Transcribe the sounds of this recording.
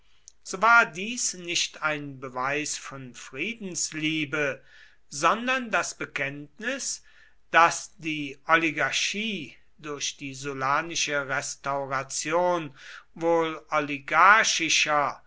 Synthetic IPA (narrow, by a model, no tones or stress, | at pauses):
z̥oːvaːɐdiːsnɪʃtaɪnbəvaɪsfɔnfʁ̥iːdn̩sliːbə | zɔndɐndasb̥əkʰɛntnɪs | d̥asd̥iːʔɔliɡaɐʃiː | dʊɐʃd̥iːzolaːnɪʃəʁɛstaʊʁat͡sjoːnvoːlɔliɡaɐʃɪʃɐ